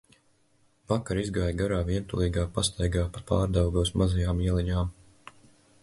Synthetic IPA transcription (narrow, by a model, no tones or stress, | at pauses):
vakaɾizɡaːjɡaɾaːviɛnt̪ulˠiːɡaːpast̪ajɡaːpat̪paːɾd̪awɡuɔsmazajaːmiɛlˠiɲaːm